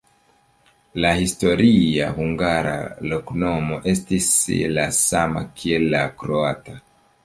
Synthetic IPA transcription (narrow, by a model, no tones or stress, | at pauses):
lahisto̞ɾʔiahuŋɡaɾa̰lo̞kno̞mo̞ʔe̞stislasama̰kʰie̞lːakɾoata